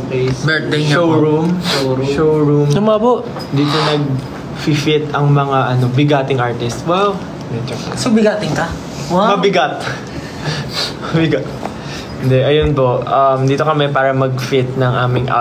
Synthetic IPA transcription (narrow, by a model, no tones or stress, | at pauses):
bɛd̪ʃowɹumoowɹumsɐmapoʔ | nd̪iːt̪onɐɡ̚ | fifɪt̪ɐŋmɐŋaʔɐno̞bɪɡaːt̪ɪŋʔaɹt̪ɪst̪waw | mɛd͡ʒosobɪɡaːt̪ɪŋkɐ | wamɐbɪɡat̪̚ | mɐbɪɡat̪̚ | hɪnd̪ɛʔɐjonpo̞ʔʔɐmd̪iːt̪o̞kɐmɛpaːɾɐmɐɡ̚fɪt̪̚nɐŋʔaːmɪŋʔa̰